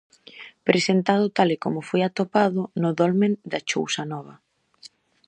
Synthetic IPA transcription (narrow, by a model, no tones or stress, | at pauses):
pɾesent̪að̞ʊt̪alɪkomʊfojat̪opaðʊnʊðɔlmẽnd̪ɐt͡ʃo̰wsɐnɔβ̞ɐ